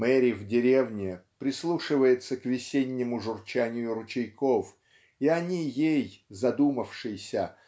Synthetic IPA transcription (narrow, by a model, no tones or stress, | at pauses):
mɛɾʲɪvdʲɪɾʲe̞vnʲɪpɾʲɪslˠuʂɨvəjɪt̪səkvʲɪsʲenʲːɪmʊʐʊrt͡ɕanʲɪjʊɾʊt͡ɕɪjkof | iɐnʲijejzɐd̪uməfʂɨjɪsʲə